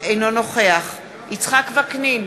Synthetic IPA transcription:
ejno̞no̞χe̞aχ | it͡sχakvaknin

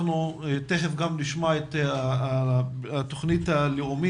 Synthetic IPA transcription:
nut̪eχefɡamliʃmoet̪a | at̪oχnit̪aleumi

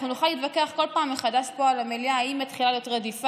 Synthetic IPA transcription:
χnunuχaliːt̪vakeaχko̞lpaːmːeχadaʃpo̞alameliaːimːat̪χilalejot̪ʁadifa

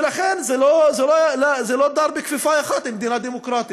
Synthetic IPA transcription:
laxenzelozelolazelod̪ɑːɾˤbɪkfifaːjaxɑt̪ɪmd̪iːnad̪imokɾˤɑːt̪i

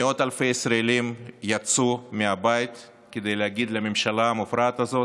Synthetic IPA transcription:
eo̞t̪alfejesɾaelimjat͡sumeabajit̪ | ked̪e̞jlehaɡid̪leamemʃalaamufɾaːt̪azo̞

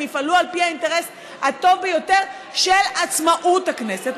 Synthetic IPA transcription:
ifalualpihainte̞ʁes | hat̪o̞vbejo̞te̞ʁ | ʃelat͡smaʔuthakne̞set

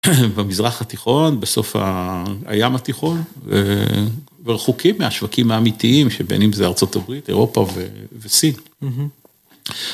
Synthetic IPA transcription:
bamizʁaχat̪iχo̞nbeso̞fha̰a̰jamat̪iχo̞nḛ | veʁeχukʰimːeaʃvakimaːmitiimʃebḛnimzeaʁt͡so̞t̪abʁit̪e̞̰ʁo̞pavevesin

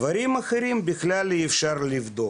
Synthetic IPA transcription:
vɐɾʲimɐxɐɾʲimbʲɪxlʲalʲɪɪfʃarlʲɪvd̪o

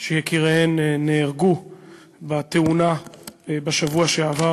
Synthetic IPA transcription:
ʃejekiʁeennːeːʁɡu | bat̪eunabaʃavuaʃeava

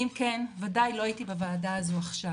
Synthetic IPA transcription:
imkenvadajlo̞ajitibavaːdaazuaχʃa

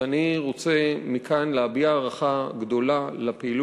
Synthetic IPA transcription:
aniʁo̞t͡se̞mikʰanleabiaːʁaχaɡdo̞lalapeil

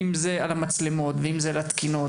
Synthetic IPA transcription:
imzealamat͡slemo̞t̪veimzealat̪kino

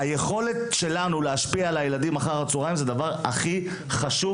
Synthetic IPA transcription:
aje̞χo̞let̪ʃe̞lanuleaʃpialajelad̪imaχaʁat͡suʁajmzed̪avaʁaχi | χaʃu

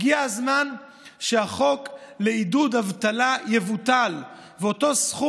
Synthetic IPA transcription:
ɡiaazman | ʃehaχo̞kleidud̪havt̪alajevutal | veot̪o̞sχu

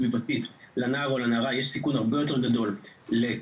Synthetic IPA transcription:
vivat̪it̪lanaːʁolanaʁajeʃsikunhaʁbe̞jo̞t̪e̞ʁɡad̪o̞lle

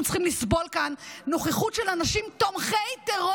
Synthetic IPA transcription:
mtt͡sχimlisbolkanːo̞χeχutʃelanaʃimt̪omχejt̪eʁo

